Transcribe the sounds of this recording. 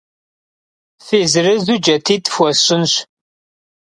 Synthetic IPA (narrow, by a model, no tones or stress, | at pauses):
θizɾəzud͡ʒæt̪ːit̪ːə̥fwæsənʃ